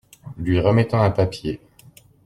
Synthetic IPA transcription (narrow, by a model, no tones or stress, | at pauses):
lɥiʁəmɛt̪ɑ̃ɛ̃papje